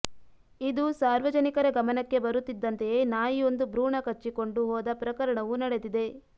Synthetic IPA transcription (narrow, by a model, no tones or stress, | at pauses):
id̪usaːɾʋɐd͡ʒɐnikɐɾɐɡɐmɐnɐkːe̞bɐɾut̪ːid̪ːɐnt̪ejeːnaːjio̞nd̪ubɾuːɳɐkɐt͡ʃːiko̞ɳɖuɦɔːd̪ɐpɾɐkɐɾɐɳɐʋunɐɽe̞d̪id̪e̞